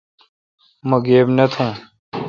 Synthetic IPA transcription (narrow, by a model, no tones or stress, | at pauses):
mɐɡeːbnɐt̪ʰũː